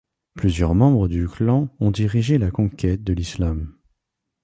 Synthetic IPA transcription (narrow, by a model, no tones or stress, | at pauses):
plyzjœʁmɑ̃bʁəd̪yklɑ̃ɔ̃d̪iʁiʒelakɔ̃kʲʰɛt̪̚d̪əlislam